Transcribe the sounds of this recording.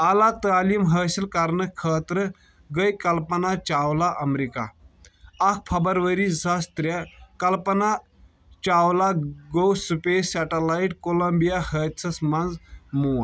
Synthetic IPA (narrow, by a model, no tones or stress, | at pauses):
alat̪aːliːmɦəːsilkaɾnəkʰːəːt̪ɾə | ɡəjkɐlpɐnat͡ʃawlaʔɐmɾika̰ː | k̚ʰpʰɐbɐɾʋəɾizast̪ɾjəkɐlpəna | t͡ʃawlaɡowsupesaʈəlaiʈkolɐmbijahət͡sʰɐsmand͡zmoːn